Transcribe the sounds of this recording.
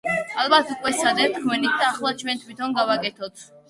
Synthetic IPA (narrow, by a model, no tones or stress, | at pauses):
alˠbat̪ʰukʼwɛsad̪ɛt̪ʰkʰmɛnit̪̚ʰd̪aːχlˠat͡ʃʰwɛnt̪ʰwit̪ʰɔnɡavakʼɛt̪ʰɔt̪ʰ